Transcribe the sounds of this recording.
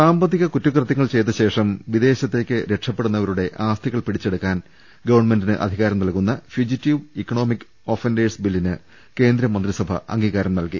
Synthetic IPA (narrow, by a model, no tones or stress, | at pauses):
saːmbɐðiɣɐkutːukrɨt̪jɐŋːɐɭt͡ɕe̞jt̪̬ːɐɕe̞ːʂɐmʋid̪e̞ːɕɐt̪ːe̞ːkʲːɨɾe̞ʈʂɐpːeɽunːɐʋɐɾuɽe̞ʔaːst̪ʰiɣɐɭpiɽit͡ɕːe̞ɽukːaːn | ɡɐʋɐɳme̞ndinɨʔɐ̰d̪ʱiɣaːɾɐmnɐlkunːɐfjud͡ʑitːiʋikːɐɳo̞ːmikː | o̞ːfendeːsbilːinɨ | ke̞ːnd̪ɾɐmːɐnd̪risɐbʱɐ̰ɐ̰ŋɡiːɣaːɾɐmnɐlki